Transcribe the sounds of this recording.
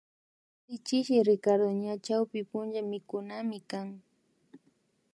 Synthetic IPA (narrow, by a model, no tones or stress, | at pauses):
sɪt͡ʃɪʃɪɾɪkaɾʊɲat͡ʃawpɪpʊnʒamɪkʊnamɪkaŋ